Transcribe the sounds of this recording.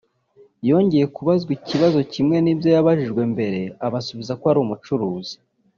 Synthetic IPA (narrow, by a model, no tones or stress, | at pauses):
jo̞ɲɟe̞je̞kuβazɡwiciβazo̞cimŋe̞niːbjo̞jaβaʒiʒɡwe̞mbe̞ɾe̞aβasuβizakoaɾuːmut͡ʃuɾuːz̥i̥